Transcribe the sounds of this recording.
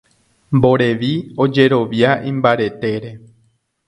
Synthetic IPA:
mbo̞ɾe̞ʋio̞d͡ʒe̞ɾo̞ʋjaʔĩmbaɾe̞t̪e̞ɾe̞

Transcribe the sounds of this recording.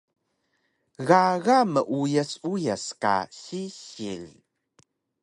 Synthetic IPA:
ɣaɣaməʔujəsujaska̰ɕiɕil

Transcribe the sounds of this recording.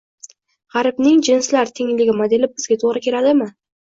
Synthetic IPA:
ʁɑɾɪbnɪŋd͡ʒɪnslaɾt̪ʰɪŋlɪɡʲɪmad̪elɪp̚bɪzɡʲat̪ʰoʁɾɪkʲʰe̞ɾad̪ɪmɪ

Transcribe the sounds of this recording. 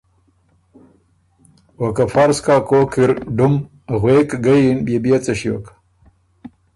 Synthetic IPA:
wɐkɐfaɾskaːkoːkʰiɾɖum | ɣweːkɡɐjinbebijet͡sɐɕiwo̰k

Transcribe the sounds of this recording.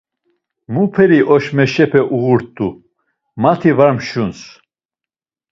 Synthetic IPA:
mupʰɛɾiʔɔʃmɛʃɛpʰɛʔuɣuɾt̪ʼːu | mat̪ʰivaɾmʃuns

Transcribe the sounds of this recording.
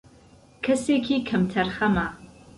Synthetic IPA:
kʰɐseːkʰikʰɐmtʰɐrχɐmaː

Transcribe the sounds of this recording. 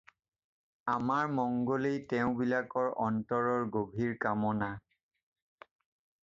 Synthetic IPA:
amaɹmɔŋɡolejtɛʊ̃bilakɔɹʔɔntɔɹɔɹɡobʱiɹkamɔna

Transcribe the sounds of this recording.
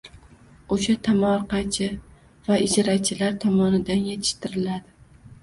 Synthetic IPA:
oʃat̪ʰamɒɾqɑt͡ʃʰɪ | vaɪd͡ʒaɾat͡ʃʰɪlaɾt̪ʰɒmɒnɪd̪anjet̪ʰɪ̥ʃt̪ɪɾɪlad̪ɪ

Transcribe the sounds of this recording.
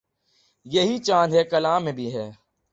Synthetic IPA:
jeɦit͡ʃãːnɦɛkɐlaːmẽbʱiɦɛː

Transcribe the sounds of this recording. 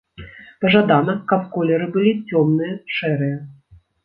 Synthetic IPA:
pɐʐad̪anɐkɐpkɔlʲɛɾɨbɨlʲit͡sʲɔmnɨjɐʂɛɾɨjɛ

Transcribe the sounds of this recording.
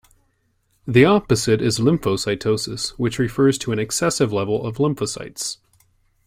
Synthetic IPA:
ðiɑpɨzɨɾɪzlɪ̃mfoʊsaɪtʰoʊsɨswɨt͡ʃɹɨfɜ˞z̥tʰəɨ̃ñɨksɛsɨvlɛvl̩ˠʌvlɪ̃mpfəsa̰ɪts

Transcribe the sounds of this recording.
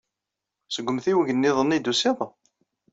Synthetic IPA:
səɡʷːəmθiwəʝənːiðˤənːid̪usiðˤ

